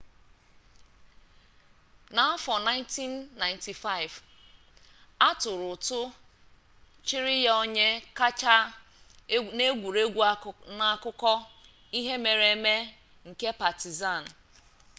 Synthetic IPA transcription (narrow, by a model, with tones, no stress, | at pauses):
na˨ɔ˦fɔ˨na˦ɪ˦nti˦nːa˨ɪ˨nti˨fa˦ɪ˨v | a˦tʊ˨ɾʊ˨tʊ˦ | t͡ʃɪ˦ɾɪ˦ja˦o˦ɲe˦ka˦t͡ʃa˦ | ne˦ɡʷu˨ɾe˦ɡʷna˨˦˨kʊ˦kɔ˦ | i˦ɦe˦me˨ɾe˨me˦ | ŋ̩˨ke˦pa˨ti˨za˦˨n̩˨